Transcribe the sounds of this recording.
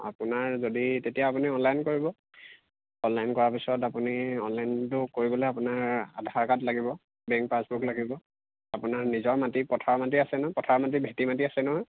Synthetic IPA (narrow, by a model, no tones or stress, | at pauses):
a̰pʊnaɹzoditetijaapuniɔnlajnkoɹibɔ | ɔnlajnkɔɹapisɔtapuniɔnlajntʊkoɹibɔlɔapʊnaɹa̰dʱaɹkatlaɡibɔ | bɛŋkpasbuklaɡibɔ | apʊnaɹnizɔɹmatipɔtʰaɹmat̬iasɛnɔpɔtʰaɹmat̬ibʱetimatiasɛnɔɦɔj